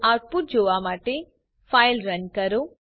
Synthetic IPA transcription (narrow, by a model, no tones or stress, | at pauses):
aːʈ̚puʈ̚d͡ʒoːʋaːmaːʈe | pʰajlɾɐɲkɐɾu